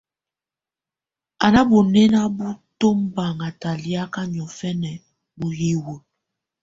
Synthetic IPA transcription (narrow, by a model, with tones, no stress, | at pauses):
a˨na˦bo˨nɛ˦na˦bu˦to˦mba˨ŋa˨ta˨li˦a˦ka˦ɲ˨ɔ˨fɛ˦nɛ˨ | bu˨hi˦wə˨